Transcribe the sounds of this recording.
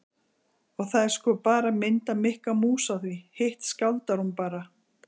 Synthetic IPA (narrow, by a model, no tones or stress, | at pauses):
ɔɣθaðɛɾ̥skɔːpaːɾamɪnt̪amɪhkamuːsaθvihejht̪skawlt̪aɾhunpaːɾa